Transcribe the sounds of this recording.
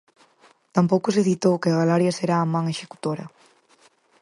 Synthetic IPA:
t̪ampowkʊseθit̪owkɪaɣalaɾjɐseɾaːmãŋeʃe̥ku̥t̪oɾɐ̰

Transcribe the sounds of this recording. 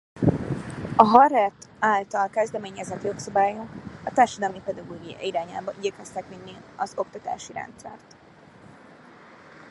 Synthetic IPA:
ɒɦɒrːɛt̪aːlt̪ɒlkɛzd̪ɛmeːɲɛzɛt̪jo̞ksɒbaːjoɒt̪aːrʃɒd̪ɒlmipɛd̪ɒɡoːɡijɒ̰iɾaːɲa̰ːbɒʔiɟɛkɛst̪ɛkminːilɒzo̞kt̪ɒt̪a̰ːʃiɾɛ̰nt̪sɛ̰rt̪

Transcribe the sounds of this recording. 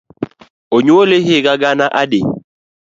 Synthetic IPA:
oɲwoleɦɪɡaɡanaʔadɪ

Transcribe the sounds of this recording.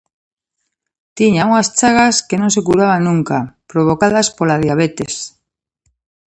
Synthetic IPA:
t̪iɲauŋast͡ʃaɣaskenõŋsekuɾaβ̞anũŋkapɾoβ̞okaðaspolað̞jaβ̞et̪es

